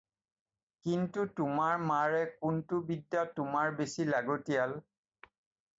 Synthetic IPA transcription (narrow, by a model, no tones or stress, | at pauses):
kintutʊmaɹmaɹɛkʊntʊbidːatʊmaɹbesilaɡotijal